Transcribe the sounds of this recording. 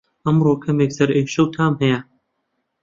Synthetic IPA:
ɐmɾoːkʰɐmeːksɐɾeːkʃɐwt̪ʰaːmɦɐja

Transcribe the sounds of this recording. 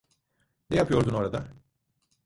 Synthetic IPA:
nejapʰɯjo̞ɾd̪uno̞ɾad̪a

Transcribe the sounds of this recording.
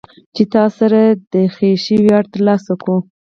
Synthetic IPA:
t͡ʃet̪ɑsaɾad̪əxeʃəwiaɽt̪əɾlɑsaku

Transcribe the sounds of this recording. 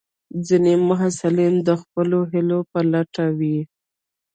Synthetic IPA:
zinemʊɦasɪlimd̪əxpəloɦɪlopəlaʈawi

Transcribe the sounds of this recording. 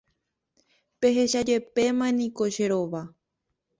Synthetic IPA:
pe̞ɦe̞ʃad͡ʒe̞pe̞mãẽnĩko̞ʃeɾoʋa

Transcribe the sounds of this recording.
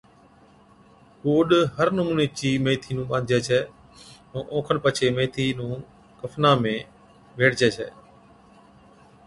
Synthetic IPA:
koːɗɦəɾnʊmuːneːt͡ʃiːmẽːt̪ʰiːnũːɓãːnd̪ʱd͡ʒɛːt͡ʃʰɛː | ɛ̃ːʔõːkʰənpət͡ʃʰeːmẽːt̪ʰiːnũː | kəfʰnãːmẽː | ʋeːɽd͡ʒɛːt͡ʃʰɛ̰ː

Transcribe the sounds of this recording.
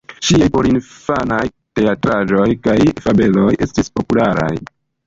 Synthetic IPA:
ʃiajpo̞ɾinfanaj | te̞atɾaʒo̞jkajfabe̞lo̞je̞stispo̞pulaɾa̰j

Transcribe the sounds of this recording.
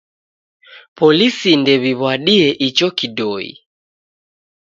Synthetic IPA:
pɔlisindɛβiβwaɗiɛʔit͡ʃɔkiɗɔḭ

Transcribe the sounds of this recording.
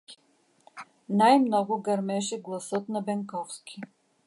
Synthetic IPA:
najmnɔɡʊɡɐɾmɛʃɛɡlˠɐsɤt̪nɐbɛŋkɔfskʲʰi

